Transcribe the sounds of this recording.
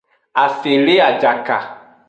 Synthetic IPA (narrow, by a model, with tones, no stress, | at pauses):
a˨se˨le˦a˨d͡ʒa˨ka̰˨